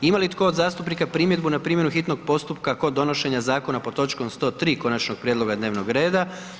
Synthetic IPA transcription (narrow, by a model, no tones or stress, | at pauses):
imalit̪ko̞ːd̪zaːst̪upnikapɾiːmjed̪bunapɾiːmje̞nuxit̪no̞ɡ̚po̞st̪upkako̞d̪ːo̞no̞ʃe̞ɲazaːko̞napo̞t̪o̞t͡ʃko̞mst̪o̞ːt̪ɾiːko̞nat͡ʃno̞ɡ̥̚pɾjed̪lo̞ɡad̪neʋnoɡɾe̞ːd̪a